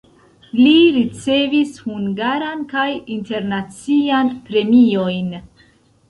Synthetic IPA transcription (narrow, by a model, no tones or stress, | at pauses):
liɾit͡se̞vishuŋɡaɾankajinte̞ɾnat͡sianpɾe̞mio̞jn